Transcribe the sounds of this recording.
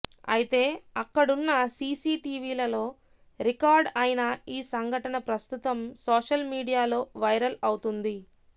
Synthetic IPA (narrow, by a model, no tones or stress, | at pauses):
ɐ̰jit̪e̞ːɐkːɐɽunːɐsiːsiːʈiːʋiːlɐlo̞ː | ɾikaːɾɖɐjnɐiːsɐŋɡʱɐʈɐnɐpɾɐst̪ut̪ɐmsoːʂɐlmiːɽijaːlo̞ːʋɐjɾɐlɐwut̪und̪i